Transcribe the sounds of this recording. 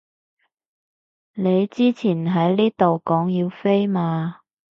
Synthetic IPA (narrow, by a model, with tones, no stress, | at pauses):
ne˨˧jt͡siː˥t͡sʰiː˨˩nɦɐ˨˥jliː˥t̪o˨wkɔː˨˥ŋjiː˧wfe˥jmaː˧